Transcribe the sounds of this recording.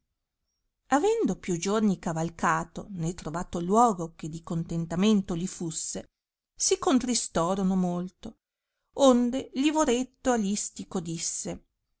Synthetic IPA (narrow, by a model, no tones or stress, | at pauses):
avɛnd̪opjud͡ʒornikavalkaːt̪onet̪ɾovaːt̪olwɔːɡok̟ed̪ikont̪ent̪ament̪olifusːe | sikont̪ɾist̪ɔːɾonomolt̪o | ond̪elivoɾet̪ːoalist̪ikod̪isːe